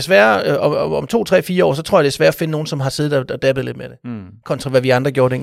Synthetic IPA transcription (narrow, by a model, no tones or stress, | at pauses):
desʋæːɐɒɒɒ̽mt͡sʰo̝̰ːt͡sʰʁɛ̰ːfiːɐɒ̰ːs̬ɒ̽t͡sʰʁoɐ̰jɑd̥esʋæːɐɒ̽fe̝nəno̝ːn̩sɒ̽m̩ɦɑ̈se̝ːð̩ˠɒɒd̥æb̥ð̩ˠle̝d̥med̥e̝ | kʰɒ̽nt͡sʰʁɑ̈ʋæʋiɑ̈nd̥ʁɐɡ̥o̝ɐd̥ḛ